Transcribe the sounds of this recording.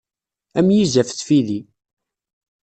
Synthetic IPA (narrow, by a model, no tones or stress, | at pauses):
æmjizæfθfiði